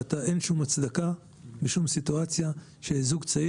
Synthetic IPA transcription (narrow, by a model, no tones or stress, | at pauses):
at̪aʔenʃumhat͡sd̪aka | beʃumsit̪uat͡sja | ʃeezuɡt͡sa